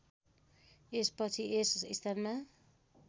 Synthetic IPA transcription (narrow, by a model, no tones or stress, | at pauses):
espʌt͡sʰiesist̪ʰʌrma